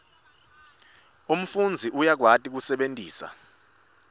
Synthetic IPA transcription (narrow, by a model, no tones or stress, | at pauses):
um̩fund͡zʱiʔujak̬watʼik̬usɛɓentʼiːsa̰